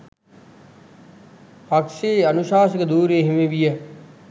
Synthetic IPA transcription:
ɐkʂeɐnuʃaːs̬əkəd̪uːɾeːɦimeʋijə

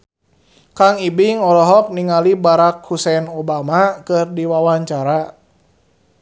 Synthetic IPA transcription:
kaŋibiŋɔlɔɦɔk̚niŋalibaɾakhusɛnobamakɨrdiwawaɲt͡ʃaɾa

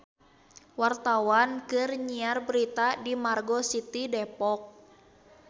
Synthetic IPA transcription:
wart̪awankɨrɲiarbəɾit̪adimarɡɔsit̪idɛpɔk̚

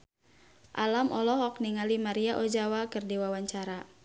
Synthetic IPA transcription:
ʔa̰lamʔɔlɔhɔk̚niŋalimaɾiaʔod͡ʒawakɨrdiwawaɲt͡ʃaɾa

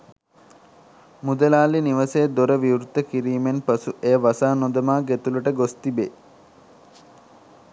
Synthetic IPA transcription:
mud̪əlaːliniʋəsed̪oɾəʋiwɾut̪ːəkiɾiːmenpɐsuʔejəʋasaːnod̪ɐmaːɡet̪ulɐʈəɡost̪ibe

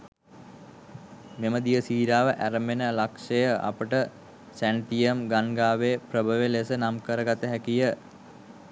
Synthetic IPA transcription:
meməd̪ijəsiːɾaːʋəʔæɾəmenəlakʂejəʔa̰pəʈə | sæɳʈ̪ijəmɡanɡaːʋeːprəbəʋelesənamkəɾəɡat̪əɦækijə

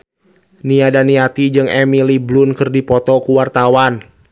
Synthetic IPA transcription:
niadaniat̪id͡ʒɨŋɛmiliblʊnkɨrdipɔt̪ɔkuwart̪awan

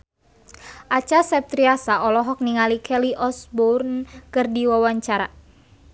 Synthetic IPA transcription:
ʔat͡ʃasɛp̚t̪ɾiasaʔɔlɔɦɔk̚niŋalikʰɛliʔɔsburnkɨrdiwawaɲt͡ʃaɾa

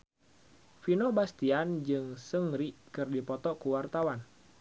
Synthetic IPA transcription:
finobast̪iand͡ʒɨŋsəŋɾikɨrdipɔt̪ɔkuwart̪awan

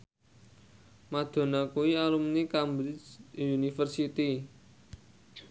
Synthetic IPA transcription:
mad̪̥o̤nakuwialumnikambɾɪt͡ʃunifərsit̪i

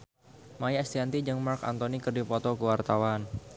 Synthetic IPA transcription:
majɛst̪iant̪id͡ʒəŋmarka̰nt̪onikɨrdipɔt̪ɔkəwart̪awan

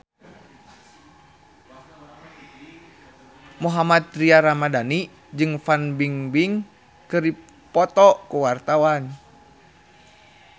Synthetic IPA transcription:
muɦamat̪̚ɾiaɾamadani | d͡ʒɨŋfanbiŋbiŋ | kɨri | pɔt̪ɔkuwart̪awan

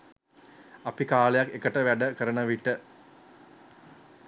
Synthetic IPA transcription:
apikaːlejakːekəʈəʋæɖəkəɾəɳəʋiʈə

